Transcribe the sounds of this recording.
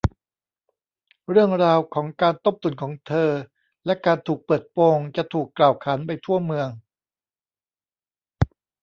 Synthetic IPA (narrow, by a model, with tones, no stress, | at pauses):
ɾɯ˥˩əŋɾaː˧wkʰɔː˩˦ŋkaː˧nt̪o˦˥˩p̚t̪u˨˩nkʰɔː˩˦ŋt̪ʰɤː˧ | lɛ˦˥kaː˧nt̪ʰuː˨˩k̚pɤː˨˩t̪̚poː˧ŋt͡ɕa˨˩t̪ʰuː˨˩kːlaː˨˩wkʰaː˩˦npa˧jt̪ʰu˥˩ɐmɯ˧əŋ